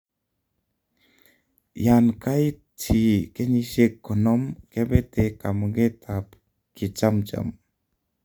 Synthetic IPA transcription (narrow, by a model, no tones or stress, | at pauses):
jankaj | tʰikenisekʰːɔnɔmkebet̪ekamɡet̪ʰap | kit͡ʃamt͡ʃa̰m